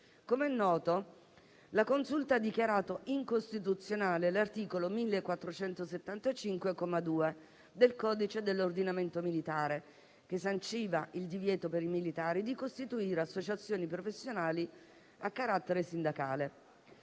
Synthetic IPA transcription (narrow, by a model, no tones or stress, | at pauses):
komeɛnːɔːt̪o | lakonsult̪aad̪ikjaɾaːt̪oʔiŋkost̪it̪ut̪sːjonaːlelart̪iːkolomilːekːwat̪ːɾot͡ʃɛnt̪oset̪ːant̪at͡ʃiŋkwekomad̪uːe | d̪elkɔːd̪it͡ʃed̪elːord̪inament̪omilit̪aːɾe | kesːant͡ʃiːvaʔild̪ivjɛːt̪opeɾimilit̪aːɾid̪ikost̪it̪uiːɾeasːot͡ʃat̪sːjoːnipɾofesːjonaːli | akːaɾat̪ːeɾesind̪akaːle